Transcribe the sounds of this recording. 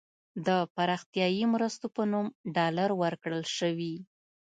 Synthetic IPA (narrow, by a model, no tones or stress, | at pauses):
d̪əpaɾɑxt̪jɑjimɾəst̪opənumɖɑlaɾwəɾkɽəlʃəwi